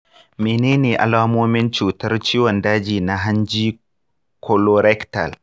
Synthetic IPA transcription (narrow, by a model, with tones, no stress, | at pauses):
meː˨neː˦neː˨ʔa̰˨laː˦moː˦mɪ˦nt͡ʃuː˨tɐ˦rt͡ʃiː˦wɔ˨ndaː˦d͡ʒiː˨na˦ɦa˦nd͡ʒiː˦ | kʰɔ˦lɔ˦ɾɛ˦kta̰˨l